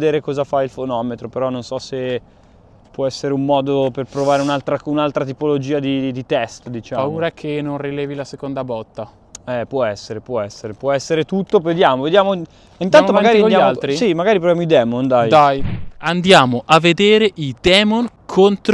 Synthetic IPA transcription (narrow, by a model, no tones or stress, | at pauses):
d̪eːɾekɔːzafailfonɔːmet̪ɾopeɾɔnonsɔse | pːwɔɛsːeɾeumːɔːd̪operpɾovaːɾeunalt̪ɾaunalt̪ɾat̪ipolod͡ʒiːad̪id̪it̪ɛst̪d̪it͡ʃaːammuoːɾakʰenonrilɛːvilasekond̪abɔt̪ːa | ɛpwɔɛsːeɾepwɔɛsːeɾepwɔɛsːeɾet̪ut̪ːoved̪jaːmoved̪jaːmo | int̪anomaɡaːɾioaalt̪ɾisimaɡaːɾip̬ɾovjaːmoid̪ɛːmond̪ajd̪ajand̪jaːmoʔavːed̪eːɾeʔid̪ɛːmon | kʰont̪ɾ